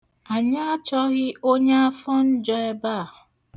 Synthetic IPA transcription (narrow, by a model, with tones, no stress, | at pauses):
a˨ɲa˦a˦t͡ʃɔ˦ɣɪ˦o˦ɲe˦a˦fɔ˦n̩˦d͡ʒɔ˦e˦ba˦˨